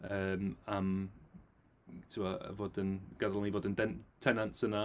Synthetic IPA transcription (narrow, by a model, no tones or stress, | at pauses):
əːmam | tʰəəə̰vɔdənɡ̥adəlˠivɔdəndɛntʰɛnãntsəna